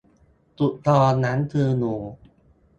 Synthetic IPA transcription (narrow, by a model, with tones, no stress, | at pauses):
t̪u˨˩ʔ̚t̪ʰɔː˧na˦˥nt̪ʰɯː˧nuː˨˩